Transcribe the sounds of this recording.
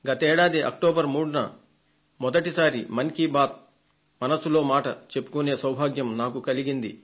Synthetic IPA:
ɡɐt̪eːɽaːd̪iʔɐ̰kʈoːbɐɾmuːɽunɐ | mɔd̪ɐʈisaːɾimɐnkibaːt̪̚ | mɐnɐsulo̞ːmaːʈɐt͡ʃe̞pːu̥kune̞ːsɐwbʱaːɡjɐmnaːkukɐliɡind̪i

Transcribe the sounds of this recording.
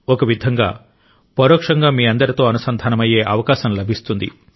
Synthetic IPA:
ɔkɐʋid̪ʱɐŋɡa̰ː | pɐɾoːkʂɐŋɡaːmiːɐnd̪ɐɾit̪o̞ːɐnusɐnd̪ʱaːnɐmɐjeːʔɐʋɐkaːʃɐmlɐbʱist̪und̪ḭ

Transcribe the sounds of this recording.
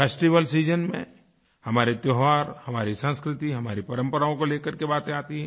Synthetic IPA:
eːsʈiʋəlsiːd͡ʒənmḛ̃ | hɐmaːɾet̪joːɦaːɾhɐmaːɾisə̃nskɾɪt̪iɦɐmaːɾipɐɾə̃mpəɾaːõkoleːkəɾkebaːt̪ẽaːt̪iɦɛ̃

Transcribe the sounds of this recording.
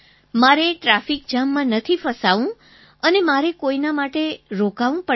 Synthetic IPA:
maɾeʈɾafik̚d͡ʒamːãnət̪ʰifəsaʋũ | ənemaɾekoinamaʈeɾokaʋũpə

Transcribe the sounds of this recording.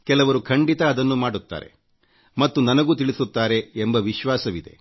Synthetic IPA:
kɛlɐʋɐɾukʰɐɳɖit̪ɐːd̪ɐnːumaːɽut̪ːa̰ːɾe̞̰ | mɐt̪ːunɐnɐɡuːt̪iɭisut̪ːaːɾe̞ːmbɐʋiʃʋaːsɐʋid̪e̞̰

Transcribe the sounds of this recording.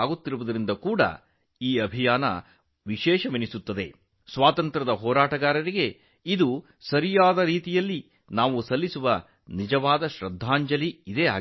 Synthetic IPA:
aːɡut̪ːiɾuʋɐd̪ɐɾind̪ɐkuːɽɐ̰ | iːɐbʱijaːnɐ̰ | ʋiʃɛːʃɐʋinisut̪ːɐd̪e̞ | sʋaːt̪ɐnt̪ɾɐd̪ɐɦɔːɾaːʈɐɡaːɾɐɾiɡe̞ | id̪u | sɐɾijaːd̪ɐɾiːt̪ijɐlːi | naːʋusɐlːisuʋɐ | nid͡ʒɐʋaːd̪ɐʃɾɐd̪ʱːaːɲd͡ʒɐliːd̪eːa̰ː

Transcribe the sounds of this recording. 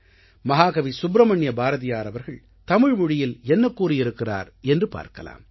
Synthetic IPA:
mɐɦaːɣɐʋisʊbɾɐmɐɳːjɐbaːɾɐðɪjaːɾɐʋɐɾɣɐɭ | t̪ɐmɪɻmʊɻɪjɪlɛnːɐkːuːrɪjɪɾɯkːɪra̰ːɾ | ɛndrɯpa̰ːɾkɐ̰la̰ːm

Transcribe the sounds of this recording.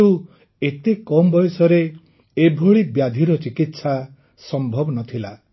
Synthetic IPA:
u | et̪ekɔmbɔjɔsɔɾeː | bʱoɭibjad̪ʱiɾɔt͡ʃikit̪sa | sɔmbʱɔbɔnɔt̪ʰila

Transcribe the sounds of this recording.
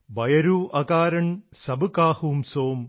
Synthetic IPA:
bɐjɐɾuːʔɐkaːɾɐɳsɐbɨkaːhuːmsoːm

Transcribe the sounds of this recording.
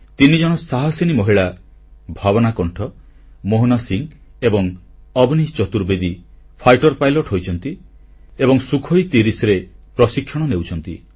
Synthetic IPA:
t̪inid͡ʒɔɽ̃ɔsaɦɔsinimɔɦiɭa | bʱabɔnakɔɳʈʰɔ | moɦnɔsiŋ | ebɔŋ | ɔbnit͡ʃɔt̪uɾbed̪i | pʰajʈɔɾpajlɔʈɦojt͡ʃʰɔnt̪i | ebɔŋsukʰɔjt̪iɾisɔɾepɾɔsikʰːjɔɽ̃ɔnewt͡ʃʰɔnt̪ḭ

